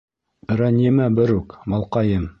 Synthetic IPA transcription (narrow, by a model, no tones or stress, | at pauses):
ɾænʲːimæbɘɾʉkmɑlˠqɑjɤm